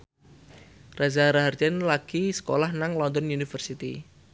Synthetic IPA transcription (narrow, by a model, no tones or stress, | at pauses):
razaɾaɦard͡ʒɛnlaɡ̥isə̥kolahnaŋlɔnd̪ɔnjunifərsit̪i